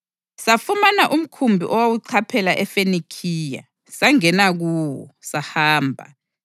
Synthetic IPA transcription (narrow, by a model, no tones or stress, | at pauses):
safumanaʔum̩kʰumbʱḭʔɔwawuǀʰapʰɛlaʔɛfenikʰiːja̰ | saŋɛnaɣuːwɔ̰sahaːmbʱa̰